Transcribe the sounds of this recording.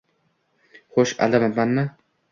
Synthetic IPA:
χoʃa̰lamabanːa

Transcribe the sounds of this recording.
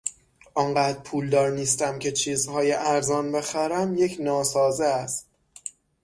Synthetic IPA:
ʔɒŋɢæːd̪ɾpʰuːld̪ɒːɾniːst̪æmcʰe̞t͡ʃʰiːzhɒːjeʔæɾzɒːnbe̞xæɾæmje̞cʰnɒːsɒːzeæst̪

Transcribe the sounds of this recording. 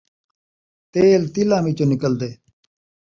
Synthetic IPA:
t̪eːlt̪ilãːmiːt͡ɕoːnɪkəld̪eː

